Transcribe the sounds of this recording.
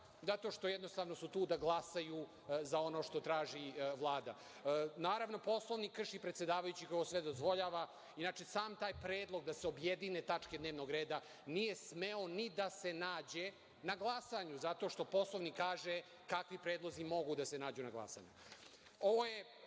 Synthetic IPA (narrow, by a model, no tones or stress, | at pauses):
zat̪o̞ʃt̪o̞jɛd̪nost̪aːʋno̞sut̪uːd̪aɡlˠasaju | zao̞no̞ːʃt̪o̞t̪ɾaːʒiʋlˠaːd̪a | naːɾaʋno̞po̞slˠo̞ʋnikːr̩ʂipɾet̪sʲe̞d̪aːʋajut͡ɕikoosʋed̪o̞zʋo̞ʎaːʋa | inat͡ʃe̞saːmt̪aːjpɾeːd̪lˠo̞ɡ̚d̪aseobjed̪inet̪at͡ʂke̞d̪neːʋno̞ɡɾeːd̪a | nije̞smeo̞nid̪ase̞naːd͡ʑe̞ | naɡlˠasaɲuzat̪o̞ʃt̪o̞po̞slˠoʋnikːaːʒe | kakʋipɾeːd̪lˠo̞zimo̞ɡud̪asenaːd͡ʑunaɡlˠa̰sa̰ɲu | oʋoje